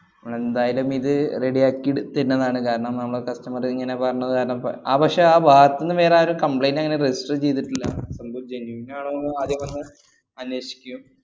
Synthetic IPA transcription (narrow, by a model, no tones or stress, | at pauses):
nɐmːɐɭend̪aːjɐlumiðɨre̞ɽijaːkːiɽut̪ːiɾnːɐðaːɳɨkaːɾɐɳɐmnɐmːɐɭokɐstɐmɐriŋːɐne̞pɐrɐɲːɐðɨkaːɾɐɳɐmpaːbʱɐkʂeaːbʱaːɐt̪ːinːɨʋeːraːoɾumkɐmpɭejnɐŋːɐnered͡ʑisʈrɨt͡ɕe̞jt̪ːiʈːilːɐsɐlbud͡ʑenjuʋinaːɳonːɨaːd̪ʱjɐmʋɐnːɨ | ɐnweːɕi̥kʲːum